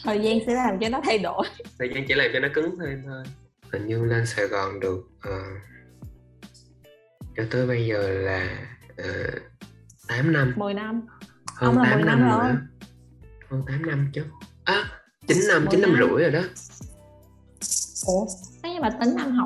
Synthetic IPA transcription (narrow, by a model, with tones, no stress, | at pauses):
t̪ʰəː˨˩jzaː˧nsɛ̰˧˥laː˨˩mt͡ɕɔ˧nɔ˨˦t̪ʰa˧jɗo˧˩jt̪ʰəː˨˩jzaː˧nt͡ɕḭ˧˥laː˨˩mt͡ɕɔ˧nɔ˨˦kɨ˨˦ŋt̪ʰe˧mt̪ʰo˧j | t̪ʰə˨˩ŋɲɨ˧lə˧nsa˧˩ɣɔ˨˩nɗɨ˨˩ək̚ʔəː˨˩ | t͡ɕɔ˧t̪o˧jɓə˧jzəː˨˩laː˨˩ʔəː˨˩ | t̪aː˨˦mna˧mmɨ˨˩jna˧m | həː˧nt̪aː˨˧˦mna˧mɨ˨˩˧ | həː˧nt̪aː˨˦mna˧mt͡ɕɨ˧˦ʔaː˨˦ | t͡ɕi˨˦n̟na˧mt͡ɕi˨˦na˧mzɨ̰˧˩˥əjzo˨˩jɗɔ˨˦ | ʔo˧˩aː˨˦jɲa˧maː˨˩t̪ï˨˦ŋna˧mɦa˨˧˩w